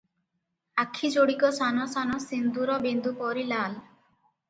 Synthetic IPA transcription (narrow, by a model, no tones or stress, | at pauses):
akʰːid͡ʒoɽikɔsanɔsanɔsind̪uɾɔbend̪upɔɾilal